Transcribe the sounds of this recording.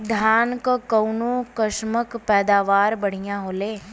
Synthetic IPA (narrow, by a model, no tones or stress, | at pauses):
d̪ʱjaːnkokɐʊnokəʃməkpɛːd̪aːʋaːɾbɐɽ̤ijãɦoːleː